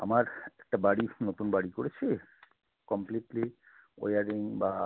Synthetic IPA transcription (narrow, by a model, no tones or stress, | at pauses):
a̰maɾɛk̚ʈabaɽinot̪unbaɽikoɽet͡ɕʰi | kɔmpliʈli | o̰jaɾiŋba